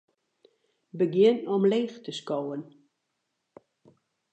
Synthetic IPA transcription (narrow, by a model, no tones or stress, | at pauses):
bəɡjɪnɔmleːxtəskowən